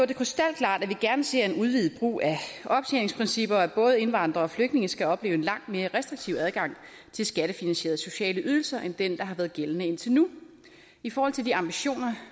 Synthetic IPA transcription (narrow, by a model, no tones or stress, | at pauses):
eɐde̝kʰʁisd̥æl̰̚kʰlɑ̰̈ːd̥æʋiɡ̥æɐnəse̝ɐ̰e̝nuð̞ˠʋið̞̩ˠb̥ʁṵːæʔɒ̽b̥t͡sʰḛne̝ŋspʰʁɛnsib̥ɐæb̥ɔ̽ːð̞̩ˠe̝nʋɑ̈n̰d̥ʁɐɒ̽fløɡ̥dne̝ŋəsɡ̥æɒ̽b̥le̝ːʊenlɑ̈ŋ̰d̥̚me̝ːɐʁɛsd̥ʁiɡ̥̚t͡sʰiʊ̰æð̞ˠɡ̥ɑ̈ŋ̰ | t͡sʰe̝lsɡ̥æɾ̥əfinænɕe̝̰ɐð̞̩ˠso̝ɕɛ̰ːləʔyð̞ˠl̩sɐʔend̥end̥ɑ̈ɦɑ̈ʋæːɐð̩ˠɡ̥elənəen̰t͡sʰe̝nu | ifɒːhɒ̽l̰t͡sʰe̝ldiɑ̈mb̥iɕo̝̰ːnɐ